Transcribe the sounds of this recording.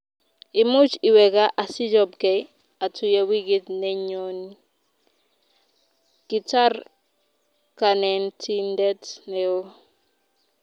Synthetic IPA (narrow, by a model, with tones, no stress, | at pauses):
ɪ˨mʊ˦t͡ʃi˨wɛ˨ka˦ʔa˨sɪ˦d͡ʒɔ˦b̚ɡɛ˨ | a˨tʰu˨ja˦wi˦ɡi˦tnɛ˦ɲo˦ni˦ | ɡ̥i˨ta˦r | kanɛ˨ntʰi˦ndɛ˦tnɛo˦